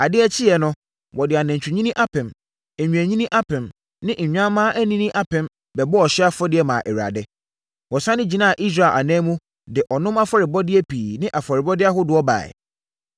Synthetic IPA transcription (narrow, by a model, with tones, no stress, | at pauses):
a˨dɪ˦ɛ˦t͡ɕʰi˦jɛ˨nʊ̃˦ | wʔɔ˨dɪ˨a˨nɛ̃˨ɲt͡ɕʰᶣu˨ɲĩ˦nĩ˦ʔa˦pʰɪ̃˨m | ɛ˨ɲᶣũ˨æ˨ɲĩ˦nĩ˦ʔa˦pʰɪ̃˨m | nɪ̃˦ʔɲ̩˨ɲᶣã˦mːãː˦ʔæ˦nĩ˦nĩ˦ʔa˦pʰɪ̃˨m | bɛ˨bɔ˦ɔ˨ɕɪ˦a˦fɔ˦dɪ˦ɛ˦mã̰ː˨ʔɛ˨ɥa̰˨dɛ˦ | wɔ˨sã˦nɪ̃˦d͡ʑi˨nã˦a˨ʔi˦s̬ɾa˦˨ʔa̰˨nɛ̃ː˦mũ˦ | dɪ˨ʔɔ˨nʊ̃˦ma˦fa˨ɾɪ˨bɔ˦dɪ˦ɛ˦pʰiː˨nɪ̃˦ʔa˨fɔ˨ɾɪ˨bɔ˦dɪ˦a˦ɦʊ˦dʊ˨ɔ˦ba̰ː˨ɪ̰˨